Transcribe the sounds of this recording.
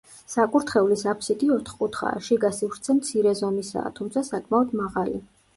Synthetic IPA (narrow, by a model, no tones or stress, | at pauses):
sakʼuɾt̪ʰχɛulisapʰsit̪ʼiɔt̪ʰχkʼut̪ʰχa̰ːʃiɡasivɾt̪sʰɛmt̪sʰiɾɛzɔmisa̰ːt̪ʰumt̪sʰasakʼmaɔd̪maʁali